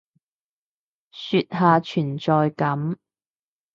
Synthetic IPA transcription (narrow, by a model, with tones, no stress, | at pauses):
syː˧t̚ɦaː˨˧t͡ʃʰyː˨˩nt͡ʃɔː˨jkɐ˨˥m